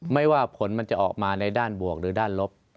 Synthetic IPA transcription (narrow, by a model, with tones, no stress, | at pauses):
ma˥˩jwaː˥˩pʰo˩˦nma˧nt͡ɕa˨˩ʔɔ̰ː˨˩k̚maː˧na˧jdaː˥˩nbu˨˩ək̚ɾɯː˩˦daː˥˩nlo˦˥p̚